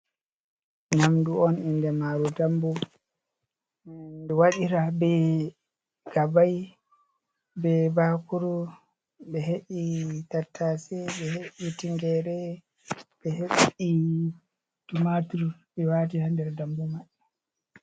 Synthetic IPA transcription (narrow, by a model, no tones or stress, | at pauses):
namduɔnindɛmaːɾudambu | ndɛwaɗiɾabɛ | ɡ̥abaj | bɛbakuɾu | ɓɛɦeɓitatʰːasɛɓɛheʔitiŋɡɛɾɛ | bɛheɓi | tumatuɾbɛwatihandɛɾdambumaɗɛ